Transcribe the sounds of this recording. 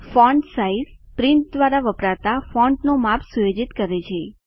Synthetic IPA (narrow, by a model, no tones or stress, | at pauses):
fɔɳɖsaiz | pɾɪ̃nt̪̚d̪ʋaɾaʋəpɾat̪afɔɳɖnomapʰsujod͡ʒit̪kəɾet͡ʃʰe